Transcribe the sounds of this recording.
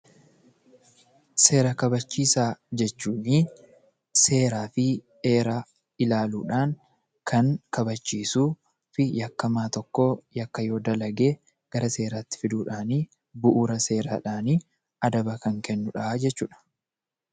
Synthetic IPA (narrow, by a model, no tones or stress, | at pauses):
se̞ːɾɐkɐbɐt͡ʃːiːsaːd͡ʒɛt͡ʃːuːniː | se̞ːɾaːfɪ | e̞ːɾa | ɪlaːluːᶑaːŋ | kʰɐŋkɐbɐt͡ʃːiːsuː | fɪjɐkːɐmaːt̪ɔkːoːjɐkːɐjo̞ːd̪ɐlɐɡe̞ː | ɡ̥ɐɾɐse̞ːɾaːt̪ːɪ̥fɪd̪uːᶑaːniː | bʊʔuːɾɐse̞ːɾa̰ːᶑaːniː | ɐd̪ɐbɐkɐŋkɛnːʊᶑɐd͡ʒɛt͡ʃːuːᶑɐ̥